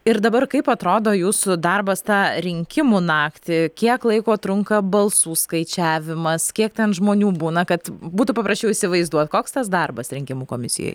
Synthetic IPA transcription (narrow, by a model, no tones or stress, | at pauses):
ɪɾd̪ɐbɐrkɐɪpɐt̪ɾoːd̪oːjuːsʊd̪ɐrbɐst̪ɑːɾʲɪŋʲkʲɪmuːnɑːkt̪ʲɪkʲiɛklˠɐɪkoːt̪ɾʊŋkɐbɐlˠsuːskɐɪt͡ʃʲæːʋʲɪmɐskʲiɛk̚t̪ʲɛnʒmoːnʲuːbuːnɐkɐt̪buːt̪ʊpɐpɾɐʃʲt͡ʃʲɛʊisʲɪʋɐɪzd̪uɔt̪koːkst̪ɐsd̪ɐrbɐsɾʲɪŋʲkʲɪmuːkoːmʲɪsʲɪ̰jo̰j